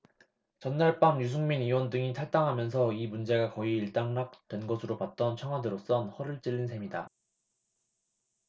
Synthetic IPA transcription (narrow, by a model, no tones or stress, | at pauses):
t͡ɕʌnːaɭp͈amjus̬ʰuŋminiwʌndɯŋitʰaɭt͈aŋɦamjʌns̬ʰʌimund͡ʑe̞ɡakʌiːɭt͈aŋnak̚t͈we̞nɡʌsʰɯɾopat̚t͈ʌnt͡ɕʰjʌŋɦwadɯɾos͈ʌnhʌɾɯɭt͡ɕ͈iɭːinsʰe̞mida